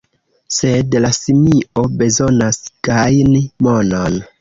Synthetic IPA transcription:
se̞dlasimio̞be̞zo̞nasɡ̥ajnimo̞non

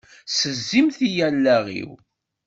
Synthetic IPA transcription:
səzːimθijælːæʁḭw

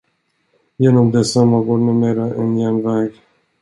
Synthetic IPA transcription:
jeːnɔmd̪ɛsamːaɡonɪmeːɾaʔɛnjɛnvɛːɡ

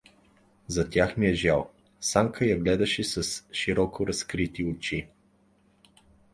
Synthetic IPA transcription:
zɐt̪ʲjaxmiɛʒalˠ | saŋkəjɐɡlɛd̪ɐʃɛsɐsʃiɾɔkʊɾɐskɾit̪iʊt͡ʃi

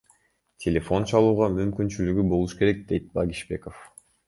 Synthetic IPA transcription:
tʲʰelʲe̞fo̞nt͡ʃɑlˠuːʁɑmymkynt͡ʃylyɡybo̞lˠuʃke̞ɾe̞k̚d̪e̞jt̪̚bɑɡʲiʃbe̞kof

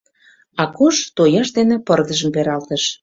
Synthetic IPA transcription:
ɑkoʃt̪ojɑʃd̪enĕpə̆rd̪ə̆ʒə̆mpeɾɑlt̪əʃ

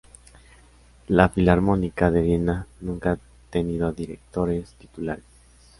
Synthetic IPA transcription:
lafilaɾmo̞nikaðeðenanũŋkaa | t̪eniðoaðiɾek̚t̪o̞ɾe̞st̪i̥t̪ulaɾes

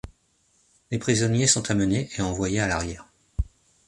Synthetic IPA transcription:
lepχizɔnjesɔ̃t̪ʰaməneʔeɑ̃vwajealaʁjɛːʁ

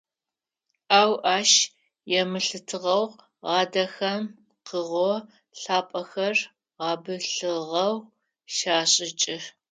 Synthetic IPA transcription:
aːwʔaːʃ | jɛmɨɬɨtʰɨʁɐw | ʁɑːdɐxɐm | qəʁʷɔ | ɬaːpʼɐxɐr | ʁɑːbɨɬɨʁɐw | ʃaːɕʼɪt͡ʃʼɪ

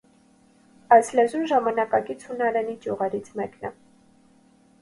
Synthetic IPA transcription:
ɑjslɛzunʒɑmɑnɑkɑɡit͡sʰhunɑɾɛnid͡ʒjuʁɛɾit͡sʰmɛknɛ̰

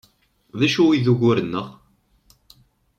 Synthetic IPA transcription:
ðæʃuwiðuʝʊɾənːəʁ

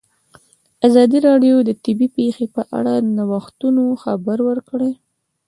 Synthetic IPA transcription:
azɑd̪iɾɑɖjod̪ət̪ɪbipexepəʔa̰ɽad̪ənawaxt̪unoxabaɾwəɾkɽe

